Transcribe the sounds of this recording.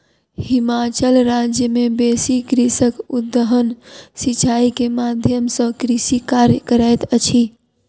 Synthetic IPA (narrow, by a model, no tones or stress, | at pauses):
himat͡ʃəlɾad͡ʒjəmebesikɾisəkud̪ːəɦənsit͡ʃaikemad̪ʱjəmsə̃kɾisikaɾjəkəɾajt̪ət͡ʃʰi